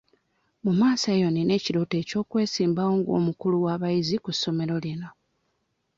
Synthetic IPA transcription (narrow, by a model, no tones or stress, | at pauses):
mumaːsajo̞nine̞ːciɾoːte̞ːco̞ːkwe̞ːsiːmbawo̞ːŋɡo̞̰ːmukuluwaːβajizikusːo̞me̞ɾo̞lino̞